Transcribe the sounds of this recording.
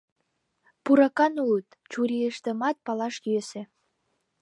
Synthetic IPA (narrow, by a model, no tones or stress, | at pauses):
puɾɑkɑnulut̪ | t͡ɕuɾiəʃt̪ə̆mɑt̪̚pɑlɑʃkesĕ